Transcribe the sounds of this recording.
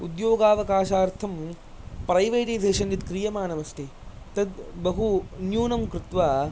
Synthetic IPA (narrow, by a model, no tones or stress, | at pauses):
ud̪joːɡaːʋɐkaːʃaːɾt̪ʰɐm | pɾɐjʋɐːʈɐjzeːʃɐnjit̪kɾijɐmaːnɐmɐsʈ̪ʰi | t̪ɐd̪bɐɦunjuːnɐmkɾut̪ʋaː